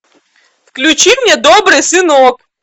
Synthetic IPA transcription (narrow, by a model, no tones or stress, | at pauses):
fklʲʊt͡ɕimnʲɛd̪obɾɨjsɨnok